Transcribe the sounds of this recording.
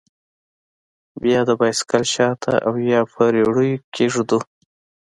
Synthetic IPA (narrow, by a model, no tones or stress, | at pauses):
bjɑd̪əbɑjskalʃɑt̪ʰa̰ʔawjɑpʰəɾeɽujokʰeʐd̪u